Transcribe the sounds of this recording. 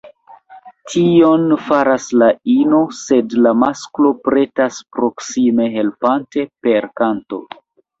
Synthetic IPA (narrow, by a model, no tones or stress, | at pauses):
tʰio̞nfaɾaslaino̞se̞dlamasklo̞pɾe̞taspɾo̞ksime̞ɦe̞lpante̞pe̞ɾkanto̞̰